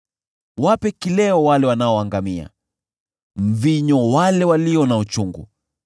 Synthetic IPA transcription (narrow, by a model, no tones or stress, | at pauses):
wapɛkilɛɔwalɛwanaɔaŋɡamia̰ | m̩viɲɔwalɛwaliɔnaut͡ʃuŋɡṵ